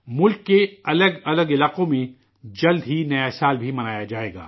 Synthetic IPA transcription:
mʊlkːeɐləɡɐləɡɪlaːqõmẽ | d͡ʒɐld̪ʱɦinɐjasaːlbʱimɐnaːjad͡ʒaːḛːɡa̰ː

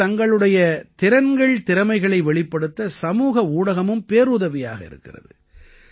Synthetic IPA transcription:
ɐŋɡɐɭɯɽɐjɐt̪ɪɾɐnɡɐɭt̪ɪɾɐmɐɪɣɐɭɐɪʋɛɭɪpːɐɽɯt̪ːɐsɐmuːɣɐuːɽɐɣɐmɯmpeːɾuːðɐʋɪja̰ːɣɐɪ̰ɾɯ̰kːɪrɐ̰ðɯ

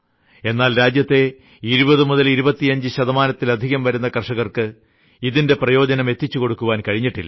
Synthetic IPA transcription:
e̞nːaːlɾaːd͡ʑjɐt̪ːe̞ | iɾubɐðɨmuðɐliɾubɐt̪ːijɐɲd͡ʑɨɕɐðɐmaːnɐt̪ːilɐd̪ʱiɣɐmʋɐɾunːɐkɐrʂɐɣɐrkɨ | iðinde̞prɐjo̞ːd͡ʑɐnɐme̞t̪ːit͡ɕːuko̞ɽukːuʋaːnkɐɻiɲːiʈːilːɐ

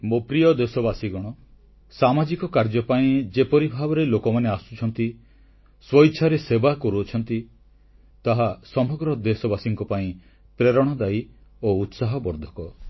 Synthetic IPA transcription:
mopɾijɔd̪esɔbasiɡɔɽ̃ɔ | samad͡ʒikɔkaɾd͡ʒɔpaĩd͡ʒepɔɾibʱabɔɾelokɔmaneasu̥t͡ʃʰɔnt̪i | swɔjt͡ʃʰaɾesebakɔɾuɔt͡ʃʰɔnt̪i | t̪aɦasɔmɔɡɾɔd̪esɔbasiŋkɔpaĩ | pɾeɾɔɽ̃ɔd̪aj | out̪saɦɔbɔɾd̪ʱɔkɔ

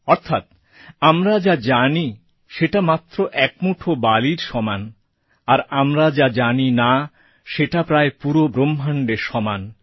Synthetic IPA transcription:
ɔɾt̪ʰat̪̚ | amɾad͡ʑad͡ʑani | ʃeʈamat̪ːɾoʔɛk̚muʈʰobaliɾʃɔman | aɾamɾad͡ʑad͡ʑanina | ʃeʈapɾaepuɾobɾombʱaɳɖeɾʃɔman

